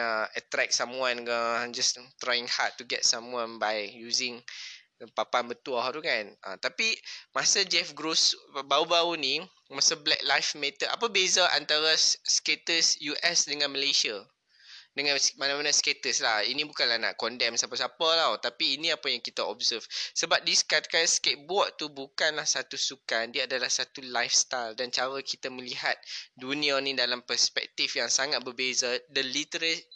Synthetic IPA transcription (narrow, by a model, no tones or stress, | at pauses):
aət̪ɾɛk̚samwãnɡəd͡ʒast̪ɾajɪ̃ŋhat̚ːuɡɛt̚samwãnbajjuzɪ̃ŋ | papanbət̪uahɾukana̰t̪apimasəd͡ʒɛfɡɾosbaubaunĩ | masəblɛk̚lajfmɛt̪əʔa̰pəbezaʔa̰nt̪aɾassket̪əsjuʔɛsdəŋãnməlesia | dəŋãnsmanãmanãsket̪əslahinĩbukanlahna̰ʔkɔndɛmsapasapalawt̪apiːnĩapajaŋkit̪aɔb̚səfsəbap̚diskat̪̚kansket̪̚bɔʔt̪ubukanlahsat̪usukandiəadalahsat̪ulajfst̪ajldant͡ʃaɾəkit̪amə̃liɦat̪̚dunĩanĩdalampərspɛ̰k̚t̪ifjaŋsaŋat̪̚bərbezadəlit̪əɾət